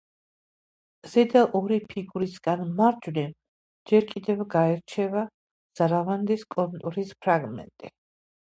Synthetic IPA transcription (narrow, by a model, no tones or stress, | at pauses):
z̥ɛd̪aʔɔɾipʰiɡuɾisɡanmaɾd͡ʒwnɛm | d͡ʒɛɾkʼid̪ɛvɡaɛɾt͡ʃʰɛva | z̥aɾavand̪iskʼɔnt̪ʼuɾispʰɾaɡmɛ̰nt̪ʼi